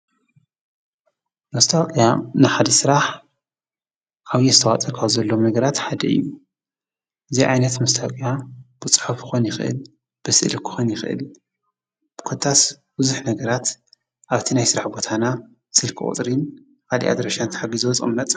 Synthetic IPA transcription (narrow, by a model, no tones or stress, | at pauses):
mɐst̪ʰawkʼjanɨħad̪ɐsɨɾaħ | ʔaβjɛzɨt̪ʰɐwat͡sʼɐkʰaβzɐlːo̞nɐɡɐɾat̪ħad̪ɐʔɨ̰jːu | ʔɨziʕajnɐt̪mɐst̪ʰawkʼjab̥ɨt͡sʼɨ̥ħufɨxonjɪxɨʔɨ̰l | b̥ɨsɨʔlkʰɨ̥xonjɪxʔɨ̰l | b̥ɨ̥kʰɨt̪ʰːas | b̥ɨzuħnɐɡɐɾat̪ | ʔaβt̪ʰinajsɨɾaħbo̞t̪ʰana | sɨlkʰɨ̰ʔʼt̪ʼɾin | kalḭʔa̰d̪ɾɐʃant̪ɨ̥ħaɡizuwɔt͡sʼṵmnɐt̪ʼ